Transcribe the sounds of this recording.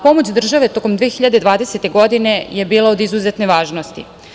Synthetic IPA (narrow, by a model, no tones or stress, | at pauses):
po̞mo̞t͡ɕd̪r̩ʒaʋe̞t̪o̞ko̞md̪ʋiexiʎad̪ed̪ʋaːd̪e̞se̞t̪e̞ɡo̞d̪ine̞je̞biːlaod̪izuzet̪neʋaːʒno̞st̪ḭ